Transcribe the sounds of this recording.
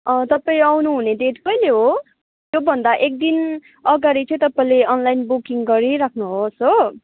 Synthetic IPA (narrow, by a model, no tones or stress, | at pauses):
ʌt̪ʌpaĩawnuɦuned̪eʈpʌjleɦo | jobʱʌnd̪aʔek̚d̪in | ʌɡaɾit͡sʰʌ̃ĩt̪ʌpaĩleʌnlajnbukiŋɡʌɾiɾakʰnuɦoso